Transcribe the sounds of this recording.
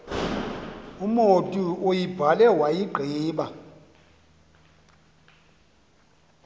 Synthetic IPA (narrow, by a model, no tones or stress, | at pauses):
umotʼuojib̥ʱalɛwajiɡ͡ǃʱiːɓa